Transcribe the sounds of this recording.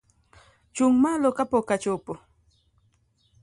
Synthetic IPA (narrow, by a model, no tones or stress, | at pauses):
t͡ʃʊŋmalokapokat͡ʃupʊ